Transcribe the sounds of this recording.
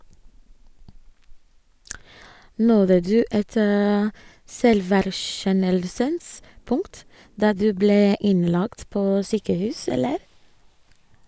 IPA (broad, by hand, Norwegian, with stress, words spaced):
ˈnɔðə ˈdʉː ˈɛt ə ˈsɛlʋæɾˌʃɛnəlsəns ˈpʊŋt ˈdɑː ˈdʉː ˈbleː ˈɪnˌlɑkt ˈpoː ˈsyːkəˌhʉːs ˈɛləɾ